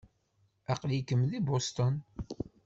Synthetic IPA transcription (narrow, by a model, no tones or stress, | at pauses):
æqlikəmðibost̪on